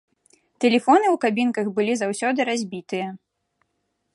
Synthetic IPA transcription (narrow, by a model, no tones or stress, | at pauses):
t̪ɛlʲɛfɔnɨwkabʲinkɐɣbɨlʲizawsʲɔd̪ɨɾazʲbʲit̪ɨjɐ